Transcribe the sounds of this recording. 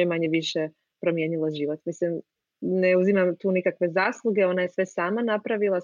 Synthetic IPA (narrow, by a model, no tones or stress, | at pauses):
emaɲeʋiʃe | pɾo̞mje̞ːɲilaʒiːʋot̪mislim | neuzimamt̪uːnikakʋe̞zaːslˠuɡe̞o̞najesʋe̞saːmanapɾaʋilˠa